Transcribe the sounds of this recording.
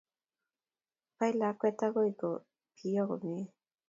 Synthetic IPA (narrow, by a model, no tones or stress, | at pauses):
pailakʷet̪aɣojko | pʰijoɣomi